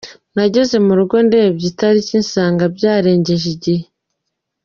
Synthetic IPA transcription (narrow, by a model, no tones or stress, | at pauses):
naɟe̞ze̞muɾuɡo̞ndebɟitaɾiciːnsaːŋɡabɟaːɾe̞ːɲɟe̞ʒiɟihe